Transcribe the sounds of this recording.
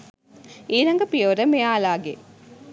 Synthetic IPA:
iːɾɐŋɡɐpijoːɾəmejaːlaːɡe

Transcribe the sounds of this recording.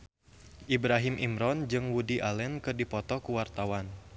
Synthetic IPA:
ʔibɾaɦimʔimɾɔnd͡ʒɨŋwudiʔalɛnkɨrdipɔt̪ɔkuwart̪awan

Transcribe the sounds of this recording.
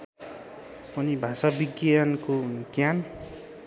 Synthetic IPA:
ʌnibʱasabiɡjankokjan

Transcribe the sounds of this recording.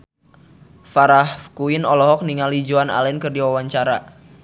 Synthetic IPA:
faɾahkuinɔlɔɦɔk̚niŋalid͡ʒuana̰lɛnkɨrdiwawaɲt͡ʃaɾa

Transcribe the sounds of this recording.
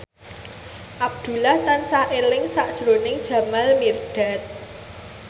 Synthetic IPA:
ʔab̚d̪̥ṳlaht̪ansaʔelɪŋsaʔd̥ʒ̥ɾonɪŋd̥ʒ̥ä̤malmirɖ̥a̤t̪̚

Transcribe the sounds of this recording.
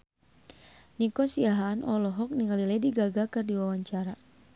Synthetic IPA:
nikɔsiaɦanʔɔ̰lɔɦɔk̚niŋalilɛdiɡaɡakɨrdiwawaɲt͡ʃaɾa

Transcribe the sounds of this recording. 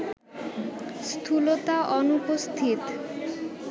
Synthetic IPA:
st̪ʰulot̪aʔɔnupost̪ʰit̪

